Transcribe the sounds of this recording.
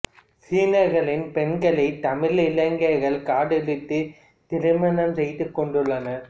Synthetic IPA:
siːnɐɾɣɐɭɪnpɛnɡɐɭɐɪt̪ːɐmɪlɪlːɐŋɡɐɪɣɐɭkaːɽɪlɪt̪ːɯ | t̪ɪɾɪmɐnɐmsɛjt̪ːɯkːɔɳɖɯɭːɐnɐ

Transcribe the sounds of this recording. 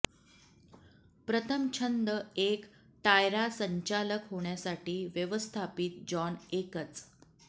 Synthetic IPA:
pɾət̪ʰəmt͡ɕʰənd̪əekt̪ajɾasəɲt͡ɕaləkɦoɳ̃jasaʈiːʋjəʋəst̪ʰapiːt̪̚d͡ʑɔnekət͡s

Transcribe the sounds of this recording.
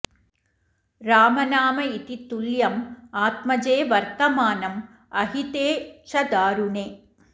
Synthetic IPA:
ɾaːmɐnaːmɐit̪it̪uljɐmaːt̪̚mɐd͡ʒeːʋɐɾt̪ɐmaːnɐm | ɐɦit̪eːʃɐd̪aːɾuneː

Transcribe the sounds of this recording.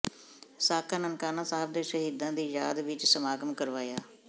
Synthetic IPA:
saːkʰaːnənkaːnãːsaːəb̚d̪eːʃəɦiːd̪ãːd̪iːjaːd̪ʋɪt͡ʃsəmaːɡəmkəɾʋaːjaː

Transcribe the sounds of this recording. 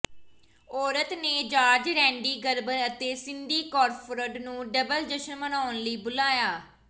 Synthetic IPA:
ɔːɾət̪neːd͡ʒaːd͡ʒɾɛ̃ːɳɖiːɡəɾbəɾət̪eːsɪnd̪iːkɔːɾpʰɾəɖnũːɖəbəld͡ʒəʃənmənaːnləiːbʊlaːjaː

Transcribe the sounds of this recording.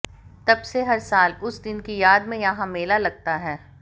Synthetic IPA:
t̪ɐbseɦɐɾsaːlʊsd̪ɪnkijaːd̪mẽjɐɦãmeːlalɐɡ̚t̪aɦɛː

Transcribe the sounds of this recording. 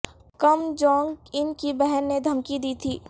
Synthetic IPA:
kɐmd͡ʒɔ̃ːŋɡɪnkibɛɦɛnːed̪ʱɐmkid̪iːt̪ʰiː

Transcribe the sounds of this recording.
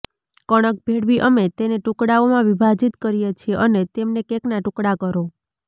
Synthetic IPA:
kəɽ̃ək̚bʱeɽʋiʔəmet̪eneʈukɽaomãʋibʱad͡ʒit̪kəɾijet͡ʃʰieʔənet̪emnekeknaʈʊkɽakəɾo

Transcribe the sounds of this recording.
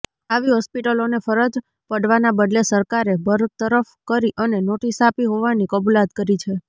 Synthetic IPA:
aʋiɦɔspiʈəlonefəɾəd͡ʒ | pəɽʋanabəd̪lesəɾkaɾebʱəɾt̪əɾəfkəɾiʔənenoʈisapiɦoʋanikəbulat̪kəɾit͡ʃʰe

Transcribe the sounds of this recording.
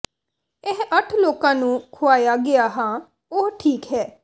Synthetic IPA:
eɦʔəʈʰloːkãːnũːkʰʊaːjaːɡɪaːɦãː | oɦʈʰiːkɦɛː

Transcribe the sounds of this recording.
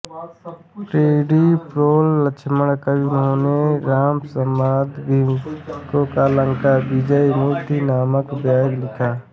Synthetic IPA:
ʈɾeːɖipɾoːlːət͡ʃʰməɽkəʊnɦoːneɾaːmsəmaːd̪bikokaːlə̃ŋkabɪd͡ʒəinuːt̪inaːməkbaːɡlɪkʰaː

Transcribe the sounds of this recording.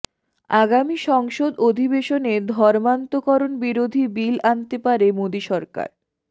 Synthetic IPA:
aɡamiʃɔŋʃod̪od̪ʱibeʃoned̪ʱɔɾmant̪okɔɾonbiɾod̪ʱibilant̪epaɾemod̪iʃɔɾka̰ɾ

